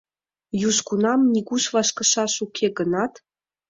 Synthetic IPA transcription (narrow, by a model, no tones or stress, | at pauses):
juʃkunɑmnʲiɣuʃvɑʃkɤ̆ʃɑʃukʰeɡənɑt̪